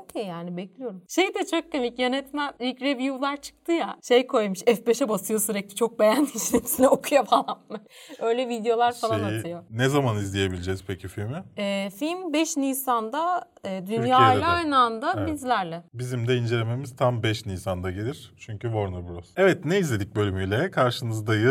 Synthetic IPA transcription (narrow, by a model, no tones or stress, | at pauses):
ocʰejːaːnibɛclʲijo̞ɾumʃejd̪ɛt͡ʃʰokːomicjø̞nɛt̪mænilcɾevjulˠaɾt͡ʃʰɯ̥k̚t̪ʰɯjaʃejkʰo̞jmɯʃɛfbe̞ʃɛbasɯjosyɾɛclʲit͡ʃʰo̞k̚be̞jæniʃnet̪ʰi̥sinɛokʰujafalˠamːa | ø̞jlʲɛvid̪jo̞lˠaɾfalˠanaɯjo̞nɛzamanizlʲije̞bilʲid͡ʒɛz̥pʰecʰifilʲmɪɛːfilʲmbɛʃnijsand̪a | ɛːd̪ynjaːj̪ʲˠaajnand̪abizlʲæɾlʲɛbizimd̪ɛind͡ʒe̞lʲeme̞miz̥t̪ʰambɛʃniːsand̪aɟelʲiɾ̥t͡ʃʰyɲcyvoɾnabɾosɛvɛt̪neizlʲe̞d̪ic̚bø̞lʲymyjlʲɛkʰaɾʃɯnɯzd̪ajɯ